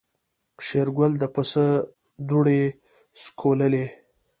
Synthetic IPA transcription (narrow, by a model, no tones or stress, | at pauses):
ʃeɾɡwʊld̪əpəsə | d̪uɽe | skʰoləle